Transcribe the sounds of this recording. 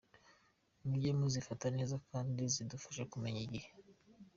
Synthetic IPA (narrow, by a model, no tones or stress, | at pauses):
muɟemuzifatane̞ːzakaːndizidufḁʃekume̞ɲiɟihe